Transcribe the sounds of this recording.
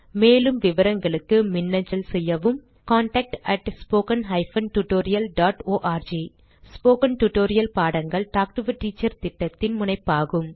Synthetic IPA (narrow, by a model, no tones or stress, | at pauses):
meːlɯmʋɪʋɐɾɐŋɡɐɭɯkːɯmɪnːɐɲd͡ʒɐlsɛjːɐʋɯm | kaːɳʈɐk̚ʈɐʈspoːkɐnɦɐɪfɐnʈʊʈoːɾɪjɐlɖaːʈoːʔaːɾd͡ʒiː | spoːkɐnʈʊʈoːɾɪjɐlpaːɽɐŋɡɐɭʈaːk̚ʈɯʋɯʈːiːt͡ʃːɐɾt̪ɪʈːɐt̪ːɪnmʊnɐɪpːaːɣɯm